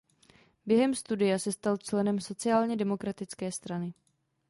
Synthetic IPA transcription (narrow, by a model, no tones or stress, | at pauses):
bjɛɦɛmst̪udɪjasɛst̪alt͡ʃlɛnɛmso̞t͡sɪaːlɲɛdɛmo̞kɾat̪ɪt͡skɛːst̪ɾanɪ